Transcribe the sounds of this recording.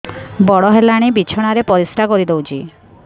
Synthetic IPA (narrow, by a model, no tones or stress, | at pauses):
bɔɽɔɦelaɽ̃ibit͡ʃʰɔɽ̃aɾepɔɾisʈʰakoɾid̪ewt͡ʃʰi